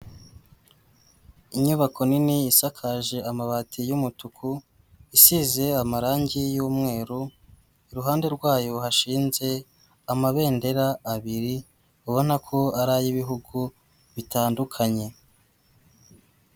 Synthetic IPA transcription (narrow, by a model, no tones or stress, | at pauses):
iɲuβako̞niniːsakʰaʒe̞amaβatʰijumutukʰu | isize̞amaɾaːɲɟijuːmŋe̞ːɾu | iɾuɦaːnde̞ɾɡwaːjo̞haʃiːnze̞ | amaβe̞ːnde̞ɾaːβiɾi | uβo̞nakʰo̞aɾajiβiɦuɡu | βitaːndukʰaɲe̞